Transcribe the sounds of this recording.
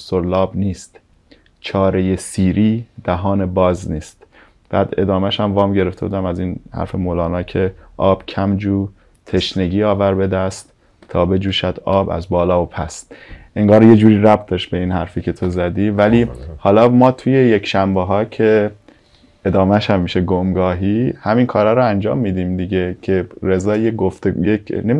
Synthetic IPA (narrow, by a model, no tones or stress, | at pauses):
soɾlɒːbniːst̪ | t͡ʃʰɒːɾejesiːɾiːd̪̥æɦɒːne̞bɒːzniːst̪ | b̥æːd̪e̞̰d̪ɒːmæʃæmvɒːmɟe̞ɾeft̪e̞buːd̪æmæziːnhæ̰ɾfe̞moːlɒːnɒːcʰe̞ʔɒːb̥cʰæmd͡ʒuː | t̪ʰe̞ʃne̞ɟiːɒːvæɾbe̞d̪æst̪ | t̪ʰːɒːbe̞d͡ʒuːʃæd̪̥ɒːbæ̰zbɒːlɒːopʰæst̪ʔe̞ŋɡɒːɾje̞d͡ʒuːɾiːɾæb̥t̪̚ʰd̪ɒːʃt̪̚be̞iːnhæɾfiːcʰe̞t̪ʰozæd̪iːvælihɒːlɒːmɒːt̪ʰuje̞jekʰʃæmbeɦɒːcʰe̞ | e̞d̪ɒːmæʃhæmːiːʃeɡomɡɒːɦihæminkʰɒːɾæɾoænd͡ʒɒ̰ːmːiːd̪iːmd̪iɟe̞cʰe̞ɾe̞zɒːjeɡoft̪ejeknemi